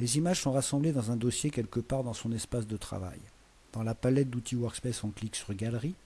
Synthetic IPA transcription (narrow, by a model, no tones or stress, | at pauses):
lezimaʒsɔ̃ʁasɑ̃bled̪ɑ̃zɛ̃d̪ɔsjekʲɛlkəpaʁd̪ɑ̃sɔ̃nɛspasd̪ət̪χa̰va̰j | d̪̥ɑ̃lapalɛt̪̚d̪ut̪ʰiwœʁkspɛsɔ̃kliksyʁɡʲalʁi